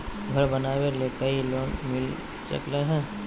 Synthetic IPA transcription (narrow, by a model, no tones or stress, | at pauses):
ɡʱɐɾbɐnaːweleːkəiloːnmɪl | t͡ʃə̰kleɦɛ̃ː